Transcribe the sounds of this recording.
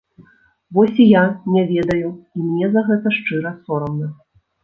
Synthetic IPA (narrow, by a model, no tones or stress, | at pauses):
vɔsʲijanʲɛvʲɛd̪ɐjuimnʲɛzɐɣɛt̪ɐʂt͡ʂɨɾɐsɔɾɐmnɐ